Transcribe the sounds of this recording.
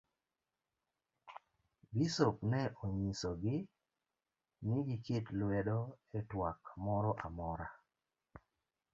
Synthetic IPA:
bisoknɛʔoɲisoɡɪ | nɪɡiketlwɛdɔetwakmɔɾɔʔamɔɾa

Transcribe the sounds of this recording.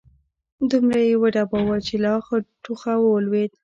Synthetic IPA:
d̪umɾajewəɖabawat͡ʃelɑxəʈuxawəlwed̪̚

